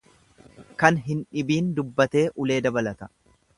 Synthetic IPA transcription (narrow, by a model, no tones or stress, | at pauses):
kɐnɦɪnᶑɪbiːnd̪ʊbːɐt̪e̞ːʔʊle̞ːd̪ɐbɐlɐt̪ɐ̥